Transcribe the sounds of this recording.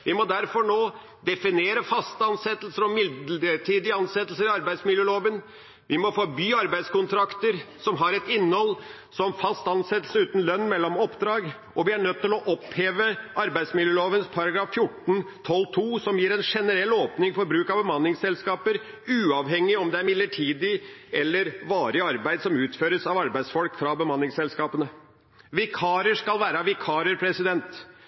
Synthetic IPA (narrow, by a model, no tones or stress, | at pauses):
ʋɪmɔd̪æɾfɔɳoː | d̪ɛfɪneːɾəfɑst̪ɑnsɛt̪ːəlsəɾɔmɪd̪ɖəʈʰiːd̪ɪəɑnsɛt̪l̩səɾɪɑɾbæɪd̪smɪljøːloːʋən | ʋɪmɔfɔɾbyːɑɾbæɪskʊnt̪ʰɾɑkt̪əɾsɔmɦɑɾɛt̪ɪnːhɔl | sɔmfɑst̪ɑnsɛt̪l̩səʉːt̪n̩lœnːmɛlːɔmɔpd̪ɾɑːɡ | ʔɔʋɪæɳœt̪ːɪlɔʔɔpheːʋəʔɑɾbæɪd̪smɪljøːloːʋənspʰɑɾɑɡɾɑːffjʊʈn̩t̪ʰɔlːt̪ʰuːsɔmjiːɾɛnʂɛnəɾɛlːoːpnɪŋfɔɾbɾʉːkɑʋbəmɑnːɪŋsɛlskɑːpəɾ | ʉːɑʋɦɛŋːɪɔmd̪ɛæɾmɪlːəʈʰiːd̪ɪɛlːəɾʋɑːɾəɑɾbæɪd̪sɔmʉːt̪føːɾəsɑʋɑɾbæɪd̪sfɔlkfɾɑbəmɑnːɪŋsɛlskɑːpənə | ʋɪkʰɑːɾəʂkɑlʋæːɾəʋɪkʰɑːɾəɾpʰɾɛsɪd̪ɛnt̪